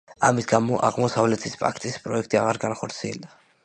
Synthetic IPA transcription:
a̰misɡamɔʔa̰ʁmɔsavlɛt̪ʰispʼa̰kʰt̪ʼispʼɾɔɛkʰt̪ʼiaʁaɾɡanχɔɾt̪sʰiɛld̪a

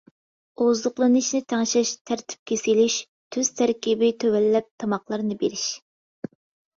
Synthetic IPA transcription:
ozʊqlˠɨnɨʃnɨt̪ʰɛŋʃɛʃt̪ʰæɾt̪ʰɪ̥p̚kʲesilyʃ | t̪ʰyz̥t̪ʰæɾkʲibɪt̪ʰøwɛlːɛp̚t̪ʰɑmɑqlˠɑɾnɨbḛɾɪʃ

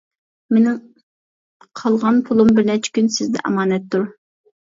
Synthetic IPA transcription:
menɪŋ | qʰɑlˠʁɑnpʰʊlˠumbɪɾnɛt͡ʃʰɪ̥kʲynsɪzd̪ɛ̰ʔɑ̰mɑːnɛt̪ʰːuɾ

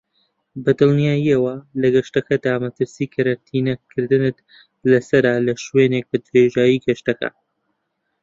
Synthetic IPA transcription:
bɐd̪ɨlˠnijaːjiɐwɐlɐɡɐʃt̪ɐkɐd̪aːmɐt̪ɨɾsiːkʰɐɾɐk̚t̪ʰinɐkʰːɨɾd̪ɨnɨt̪ | lɐsɐɾalɐʃweːnek̚bɨd̪ɾeʒaːjiɡɐʃt̪ɐkɐ̰

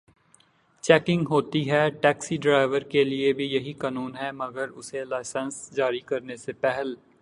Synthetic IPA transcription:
t͡ʃɛːkɪ̃ŋɡɦoːt̪iɦɛːʈɛːksiɖɾaːɪʋəɾkeliebʱijɐɦikaːnuːnɦɛmɐɡəɾʊselaːɪsə̃nsd͡ʒaːɾikɐɾnesepɛɦəl

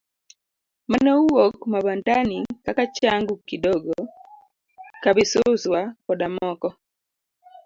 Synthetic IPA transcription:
manɛuwokmabandanikakat͡ʃaŋɡʊkidɔɡo | kabɪsʊswakɔdamɔkɔ

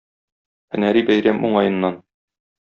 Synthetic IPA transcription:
ɘ̰̆næɾibæjɾæmʔuɴɑjɤ̆nːɑn

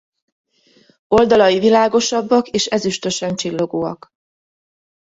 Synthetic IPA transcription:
o̞ld̪ɒlɒjivilaːɡo̞ʃɒbːɒkeːʃɛzyʃt̪ø̞ʃɛnt͡ʃilːo̞ɡoːɒ̰k

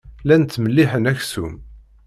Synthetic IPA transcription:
lænt̪ːməlːiħənæçsum

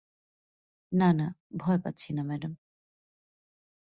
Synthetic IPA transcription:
nanabʱɔepa̰t̪ːt͡ɕʰinamɛɖam

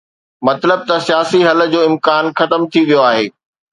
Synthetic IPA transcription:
mɐt̪ləb̚t̪ɐsijaːsiɦɐlə̆d͡ʑoːɪ̃mkaːnxɐt̪əmt̪ʰiʋijoaːɦeː

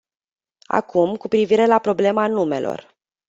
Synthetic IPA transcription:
a̰kʰumkupɾiviɾe̞lapɾo̞ble̞manume̞̰lo̞̰r

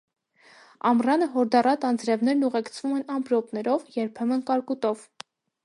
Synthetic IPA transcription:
ɑmrɑnəɦɔɾd̪ɑrɑt̪ɑnd͡zɾɛvn̪ɛɾnuʁɛkt͡sʰv̥umɛnɑmpɾɔpnɛɾɔvjɛɾpʰɛmənkɑɾkut̪ɔv

